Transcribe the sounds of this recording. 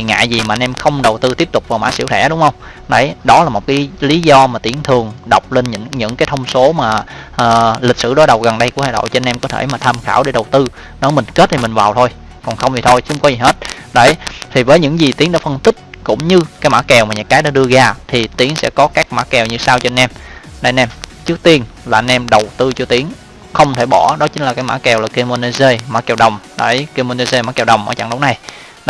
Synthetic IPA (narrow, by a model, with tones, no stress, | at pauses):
i˨˩ŋa̰ː˧˨jzi˨˩maː˨˩ʔnʔɛ˧mxə˧wŋ͡mɗə˨˩wt̪ɨ˧t̪i˦˥əp̚t̪ʊ˨˩k͡p̚vaː˨˩wma̰ː˧˥sḭ˧˥wt̪ʰɛ̰˧˥˩ɗʊ˨˦ŋ͡mhə˧wŋ͡m | nə̰˧˩jɗɔ˨˦laː˨˩mo˨˩t̚kaː˨˦li˨˦zɔ˧maː˨˩t̪i˨˦əŋt̪ʰɨ˨˩əŋɗə˨˩wk͡p̚le˧nɲɨ̰˧˥ŋɲɨ̰˧˥ŋkaː˨˦jt̪ʰə˧wŋ͡mso˨˦maː˨˩ʔəː˨˩li˨˩k̟̚sɨ̰˧˩ɗɔ˨˦jɗə˨˩wɣə˨˩nɗə˧jku˧˩əhaː˧˨jɗo̰˧˨jt͡ɕe˧nʔɛ˧mkɔ˨˦t̪ʰe˧˩jmaː˨˩t̪ʰaː˧mxa̰ː˧˩wɗe˧˦ɗə˨˩wt̪ɨ˧ | ɗɔ˨˦mï˨˩ŋ̟ke˦˥t̚t̪ʰi˨mï˨˩ŋ̟vaː˨˩wt̪ʰo˧j | kɔ˨˩nxə˧wŋ͡mzi˨˩t̪ʰo˧jt͡ɕŋ͡mkɔ˨˦zi˨˩ɦe˦˥t̚no̰˧˩˦jt̪ʰi˨˩vəː˨˦jɲɨ̰˧˥ŋzi˨˩t̪i˨˦əŋɗa̰ː˧˦fə˧nt̪ï˦˥k̟̚kʊ̰˧˥ŋ͡mɲɨ˧kaː˨˦jma̰ː˧˥kɛ˨˩wmaː˨˩ɲɨ̰˧˥kaː˨˦jɗaː˧˥ɗɨ˧əɣaː˧t̪ʰi˨˩t̪i˨˦əŋsɛ̰˧˥kɔ˨˦kaː˦˥k̚maː˧˥kɛ˨˩wɲɨ˧saː˧wt͡ɕe˧nʔɛ˧mɗa˧˩nʔɛ˧mt͡ɕɨ˦˥ək̚t̪i˧ənlaː˨˩ʔnʔɛ˧mɗə˨˩wt̪ɨ˧t͡ɕɔ˧t̪i˨˦əŋ | xə˧wŋ͡mt̪ʰe˧˩ɓɔ˧˩ɗɔ˨˦t͡ɕi˨˦ŋlaː˨˩kaː˨˦jma̰ː˧˥kɛ˨˩wlaː˨˩ki˧mo˧ne˧ze˧maː˧˥kɛ˨˩wɗə˨˩wŋ͡mɗa̰˧˩˦jki˧mo˧ne˧ze˧maː˧˥kɛ˨˩wɗə˨˩wŋ͡mʔəː˧˩t͡ɕa̰˧˩ŋɗə˨˦wna˨˩j